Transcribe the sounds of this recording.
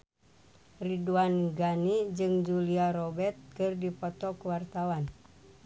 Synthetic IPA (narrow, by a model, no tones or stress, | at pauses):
riduanɡanid͡ʒɨŋd͡ʒuliaɾɔbɛrt̪̚kɨrdipɔt̪ɔkuwart̪awan